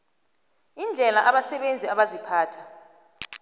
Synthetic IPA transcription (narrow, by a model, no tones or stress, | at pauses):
ind͡ɮʱɛlaʔaɓasɛɓend͡zʱiaɓazipʰaːtʰḁ